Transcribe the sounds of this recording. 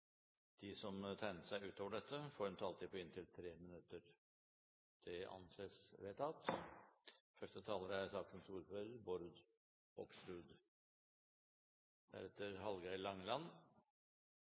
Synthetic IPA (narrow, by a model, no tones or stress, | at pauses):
d̪̥isɔmt̪ʰæɪnəsæɪʉːt̪ʰoːʋəɖɛt̪ʰːəfoːɾɛnt̪ʰɑlt̪ɪːpʰɔɪnt̪ʰɪlt̪ʰɾeːmɪnʉt̪ːəɾ | d̪̥ʰɪɑ̰nsesʋeːt̪ʰɑt̪ | fœʂʈət̪ʰɑːləɾəæɾsɑːkənsuːɾføːɾəbɔɾd̪ | ɔkst̪ʉːd̪ | d̪æ̰ɾɛt̪ːəɾɦɑlɡɑʏlɑŋlɑn